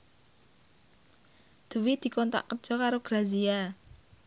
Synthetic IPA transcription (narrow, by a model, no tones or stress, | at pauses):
d̪̥uwid̪̥i̤kɔnt̪a̰ʔkər̥d͡ʒ̥ɔkaɾoɡ̥ɾazia